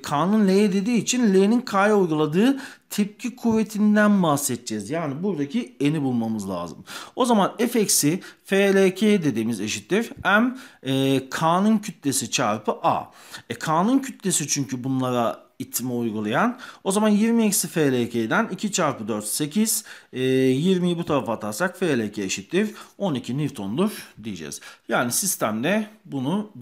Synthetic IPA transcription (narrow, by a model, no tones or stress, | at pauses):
kʰaːnunlʲejɛd̪e̞d̪iːt͡ʃʰinlʲejninkʰajojɡulˠad̪ɯːt̪ʰɛp̚cʰikʰuvet̪ʰind̪ænbahsɛt̪̚d͡ʒɛzjaːnibuɾd̪acʰie̞nibulˠmamɯzlʲˠa̰ːzɯ̰mo̞zamanɛfecsifeːlʲecʰeːd̪e̞d̪iːmize̞ʃit̪ːiɾæmɛːkʰaːnuncʰyt̪lʲe̞sit͡ʃʰa̰ɾpʰɯʔa̰ɛkʰaːnuncʰyt̪lʲesit͡ʃʰyɲcʰybunlˠaɾa | it̪ʰːimɛujɡulˠajano̞zamanjiɾmiecsifeːlʲecʰejd̪ænicʰit͡ʃʰaɾpɯd̪øɾt̪se̞cʰiz̥ɛjiɾmijibut̪ʰaɾafat̪ʰaɾsakfeːlʲecʰeeʃit̪ʰːiɾo̞nicʰiniɾt̪ʰo̞nd̪uɾd̪ijid͡ʒɛ̰z̥jaːnisist̪ʰæmd̪ɛbunu